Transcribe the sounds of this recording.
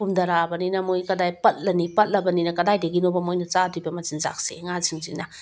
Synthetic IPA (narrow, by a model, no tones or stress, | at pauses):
pumdɐɾabɐninɐmojkɐdajpɐt̚lɐnipɐt̚lɐbɐninɐkɐdajdeɡinobɐmojnɐt͡ʃadujbɐmɐzinza̰k̚sḛŋaziŋzinɐ